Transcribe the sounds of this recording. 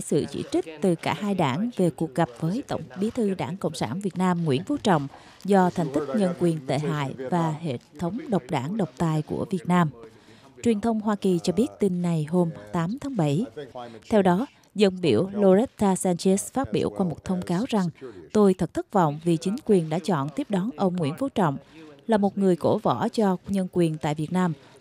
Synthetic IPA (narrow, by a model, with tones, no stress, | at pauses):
sɨ̰˧˨t͡ɕḭ˧˥t͡ɕï˦˥k̟̚t̪ɨ˨˩kaː˧˩haː˧jɗaː˧˩ŋve˨˩ku˨˩ək̚ɣa˨˩p̚vəː˨˦jt̪ə̰˧˩˨wŋ͡mɓi˨˦t̪ʰɨ˧ɗaː˧˩ŋkə̰˧˨wŋ͡msaː˧˩nvi˨˩ət̚naː˧mŋwḭ˧˥ənvu˧˦t͡ɕɔ̰˧˨wŋ͡m | zɔ˧t̪ʰɛ˨˩jŋ̟t̪i˦˥k̚ɲə˧nkwi˨˩ənt̪ḛ˧˨ɦa̰ː˧˨jvaː˨˩ɦḛ˧˨t̪ʰə˨˦wŋ͡mɗə˨˩wk͡p̚ɗaː˧˩ŋɗə˨˩wk͡p̚t̪aː˨˩jkṵ˧˩əvi˨˩ət̚naː˧m | t͡ɕwi˨˩ənt̪ʰə˧wŋ͡mɦwaː˧ki˨˩t͡ɕɔ˧ɓi˦˥ət̚t̪i˧nːa˨˩jɦo˧mt̪aː˨˦mt̪ʰaː˨˦ŋɓə˧˩jt̪ʰɛ˧wɗɔ˨˦ | zə˧nɓi˧˩əwlo˧zɛ˦˥t̚t̪ːaː˧saː˧nt͡ɕɛ˦˥sfaː˦˥t̚ɓḭ˧˩əwkwaː˧mo˨˩t̚t̪ʰə˧wŋ͡mkaː˨˦wza˨˩ŋt̪o˧jt̪ʰə˨˩t̚t̪ʰə˦˥k̚vɔ̰˧˨wŋ͡mvi˨˩t͡ɕï˨˦ŋ̟kwi˨˩ənɗa̰ː˧˥t͡ɕɔ̰˧˨nt̪i˦˥əp̚ɗɔ˨˦nʔə˧wŋ͡mŋwḭ˧˥ənfo˨˦t͡ɕɔ̰˧˨wŋ͡mlaː˨˩mo˨˩t̚ŋɨ˨˩əjko˧˩vɔ˧˩t͡ɕɔ˧ɲə˧nkwi˨˩ənt̪a̰ː˧˨jvi˨˩ət̚naː˧m